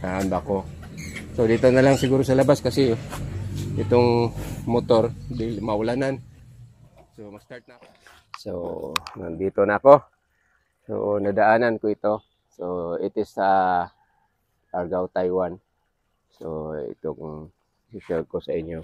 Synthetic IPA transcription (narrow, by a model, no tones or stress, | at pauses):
t̪aʔambako | sod̪iːt̪onalaŋsɪɡuːɾosɐlɐbaskasɪ | ʔɪt̪oŋmot̪oɾd̪imaʊlanan | somɐɡ̥st̪aɾt̪̚nako | so̰na̰ŋd̪iːt̪onaːko | so̰nad̪aʔaːnankoɪt̪o̞ | soɪt̪ɪsːa | ʔaɾɡawt̪ajwan | soɪ̰t̪oŋ | sikaɡ̚kosaɪɲjo